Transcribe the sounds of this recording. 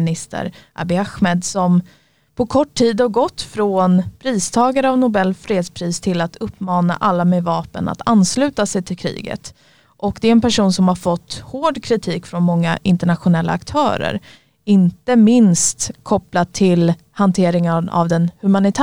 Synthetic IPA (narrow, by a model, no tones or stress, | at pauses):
nɪst̪ʰə̰ɾʔa̰bɪaxmeːd̪sɔm | pʰɔkʰɔʈʰːiːd̪ɔɡɔt̪ːfɾɔnpʰɾiːst̪ʰɑːɡaɾəavnʊbɛlːfɾeːd̪spʰɾiːst̪ʰɪlat̪ɵpːmɑːna̰ʔalːamevɑːpəna̰t̪anslʉ̟ːt̪asɛjt̪ʰɪlkʰɾḭːɡə̰t̪ | ʔɔkd̪ɛɛnpʰæʂuːnsɔmhaɾfɔt̪ːhoːɖkʰɾɪt̪ʰiːkfɾɔnmɔŋːa̰ʔɪnt̪əɳat̪ɧʊnɛlːʔa̰ːkt̪ʰœ̰ːɾə̰ɾ | ɪnt̪əmɪnst̪kʰɔplat̪ʰːɪl | hant̪ʰeːɾɪŋana̰vd̪ɛnhɵmanɪt̪ʰː